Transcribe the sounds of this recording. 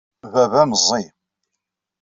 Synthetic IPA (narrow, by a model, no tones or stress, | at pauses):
vævæmzˤi